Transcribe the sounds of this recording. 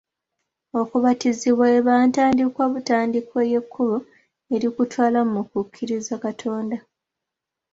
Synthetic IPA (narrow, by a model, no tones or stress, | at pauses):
o̞kuβatiziβwaeβaːntaːndikwaβutaːndikweje̞kʰːulo | eɾikutwaːlammukukʰːiɾizakatʰo̞ːnda